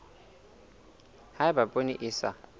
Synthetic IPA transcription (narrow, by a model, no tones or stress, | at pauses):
haɪbapʼoniʔɪːsa̰